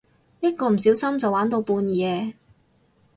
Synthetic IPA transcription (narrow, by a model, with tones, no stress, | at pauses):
jɐ˥t̚kɔː˧m̩˨˩s̬i˨˥wsɐ˥mt͡sɐ˨waː˨˥nt̪o˧wpuː˧njɛː˨˧